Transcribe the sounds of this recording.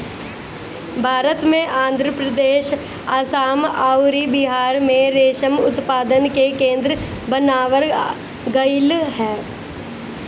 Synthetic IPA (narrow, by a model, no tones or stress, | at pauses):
bʱaːɾət̪mẽʔãːnd̪ʱɾəpɾəd̪eːʃ | aːsaːmaːʊɾibɪɦaːɾmẽɾeːʃəmʊt̪paːd̪ənkekẽːnd̪ɾə | bənaːʋəɾ | ɡəɪlɦɛː